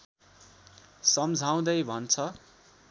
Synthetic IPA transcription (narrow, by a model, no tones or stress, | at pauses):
sʌmd͡zʱaw̃d̪ʌjbʱʌnt͡sʰʌ